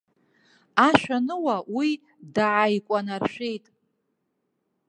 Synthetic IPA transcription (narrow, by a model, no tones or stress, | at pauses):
aʃʷᶣanɨwawi | daʕaikʷʼanarʃᶣe̞jtʼ